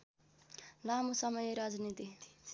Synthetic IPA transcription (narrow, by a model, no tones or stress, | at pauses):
lamusʌmʌjeɾad͡znit̪i